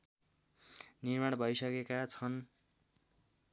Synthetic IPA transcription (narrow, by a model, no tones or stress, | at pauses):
nirmaɽbʱʌjsʌkekat͡sʰʌn